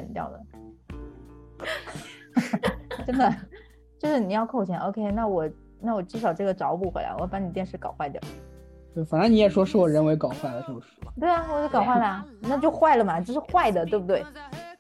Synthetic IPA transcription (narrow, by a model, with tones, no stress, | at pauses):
ɛ˨˩nt̪jɑ̰˥˩ʊd̪ə̰˩ | ʈ͡ʂə˥˩nd̪ə˩ | t͡ɕjo˥˧ʊʂɻ̩˥˩ni˨˩jɑ˥˧ʊkʰo˥˩ʊt͡ɕʰjɛ˧˥nʔo˥˧ʊkʰe˥ɪna˥˩wɔ˨˩ | na˥˩wɔ˨˩ʈ͡ʂɻ̩˥˩ʂ̬ɑ˨˩ʊʈ͡ʂɤ˥˩ɡə˩ʈ͡ʂɑ˧˥ʊpu˥˩xwe˧˥la̰˧˥ɪɔ̰˧˥˩pa˧˥n˨˩t̪jnʂɻ̩˧˥˧kɑ˨˩ʊxwa˥˩ɪd̪ə̰˨˩ | t̪o˥˩fa˨˩nə˧˥ni˧˥jɛ˨˩ʂwɔ˥ʂɻ̩˥˩wɔ˨˩ɻə˧˥nwe˧˥ɪkɑ˨˩ʊxwa˥˩ɪd̪ə˩t̪ʰo˥˩ʊ˩ʂɻ̩˥˩lə˨˩t̪we˥˩ɪa˩˧˩t͡ɕo˥˩kɑ˨˩ʊxwa˥˩ɪla˧˦na˥˧t͡ɕjo˥˧ʊxwa˥˩ɪlə˩mɐ˩t͡ɕjo˥˧ʊʂɻ̩˥˧xwa˥˩ɪd̪ə˩t̪we˥˩bu˩t̪we˥˩ɪ